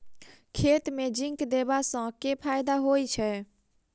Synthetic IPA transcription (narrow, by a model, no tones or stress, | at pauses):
kʰet̪med͡ʒĩŋkd̪ebasə̃kepʰajd̪aɦojt͡ʃʰɛ